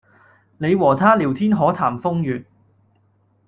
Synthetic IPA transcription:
ne˨˧jwɔː˨˩t̪ʰaː˥li˨˩wt̪ʰiː˥nɦɔː˨˥t̪ʰaː˨˩mfʊ˥ŋjyː˨t̚

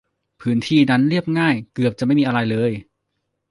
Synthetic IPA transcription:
pʰɯː˦˥nt̪ʰiː˥˩na˦˥nɾi˥˩əp̚ŋaː˥˩jkɯ˨˩əp̚t͡ɕa˨˩ʔma˥˩jmiː˧ʔa˧ɾa˧jlɤː˧j

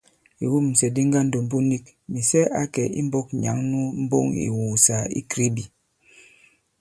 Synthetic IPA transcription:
i˨wu˦m̩˨sɛ˨di˦ŋɡa˦n̩˦do˨m̩˦bu˦ni˦k̚ | mi˨sɛ˦ʔa˦kɛ˨ʔḭ˦m̩˦bɔ˦k̚ɲa̰˨˦ŋnu˦m̩˦bo̰˦ŋḭ˨wu˨sa˨˦ḭ˦kɾi˦bi˨

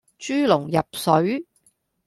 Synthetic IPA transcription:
t͡ʃyː˥lʊ˨˩ŋjɐ˨p̚sɵ˨˥ɥ

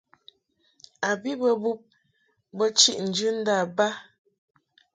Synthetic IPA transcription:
a˨bi˦bə˦bu˦p̚ | bə˦t͡ʃi˦ʔn̩˨d͡ʒʉ˦n̩˦da˦˨ba˦

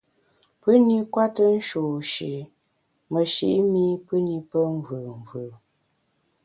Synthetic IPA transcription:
pə˦ni˦kwa˦tə˦n̩˦ʃoː˨ʃḭ˨ | mə˨ʃḭ˨ʔmi˦pɨ˦ni˦pə˦ɱ˦vɨ˨ɱ˨vɯ˨

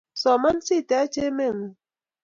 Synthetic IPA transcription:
sɔ˨ma˦n˦si˦˨ta˨˦t͡ʃe˦me˦˨ŋ˨

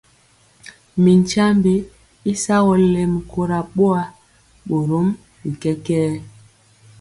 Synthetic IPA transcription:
mi˨n˨t͡ʃa˦mbi˦ | i˦sa˦ɣɔ˨le˨m˨ko˦ɾa˨ɓo˦a˨ | ɓo˨ɾo˨˦m | ɓi˨kɛ˦kɛː˦

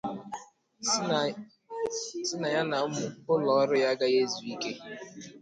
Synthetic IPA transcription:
sɪ˦na˨ja˦na˨m̩˦mʊ˨pʊ˦lɔ˨ɔ˦ɾʊ˦ja˦ɡa˦je˦zu˨i˦ke˦

